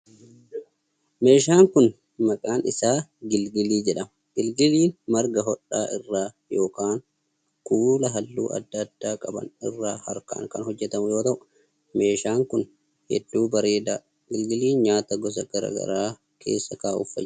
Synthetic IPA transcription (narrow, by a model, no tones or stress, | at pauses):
me̞ːʃaːŋkʊn | mɐkʼaːnɪsaːɡɪlɡɪliːd͡ʒɛᶑɐmɐɡ̥ɪlɡɪliːnmɐɾɡɐɦɔᶑːaːʔɪrːaː | jo̞ːkaːŋ | kuːlɐɦɐlːṵːʔɐ̰d̪ːɐd̪̥ːaːkʼɐbɐ̰nɪrːaːhɐɾka̰ːŋkɐnhɔd͡ʒːɛt̪ɐmʊjo̞ːt̪ɐʔʊ̥ | me̞ːʃaːŋkʊn | hɛ̰d̪ːuːbɐɾe̞ːd̪aː | ɡɪlɡɪliːnɲaːt̪ɐɡɔs̬ɐɡ̥ɐɾɐ̰ɡɐ̰ɾaː | kʰe̞̰ːsːɐkaːʔʊfɐ̰